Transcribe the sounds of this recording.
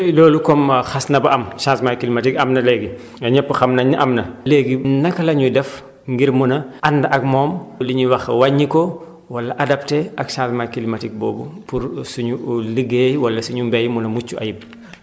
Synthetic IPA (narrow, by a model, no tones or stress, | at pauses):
lɔːlukɔmxɐsnɐbɐʔɐmʃãːsmajkilimɐtikɐmnɐlɛɡi | ɐɲɛpːəxɐmnɐɲiʔɐmnɐleːɡinɐkɐlɐɲudɛf | ŋɡiɾmunɐʔɐndɐʔɐkmɔːmliɲuwɐxwɐɲːikɔ | wɐlɐʔɐdɐp̚teɐkʃãːsmajkilimɐtik̚bɔːbupuɾsuɲuləɡeːjwɐlɐsuɲumbɛjmunɐmut͡ʃːuʔɐ̰jib̚